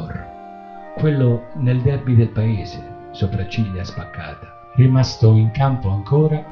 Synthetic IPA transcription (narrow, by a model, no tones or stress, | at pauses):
r | kwelːʊneld̪ɛrbid̪elpaeːzɪ | sopɾat͡ʃːiljaspakːa̰ːt̪ḁ | rimast̪ʊiŋkampʊaŋkɔːɾa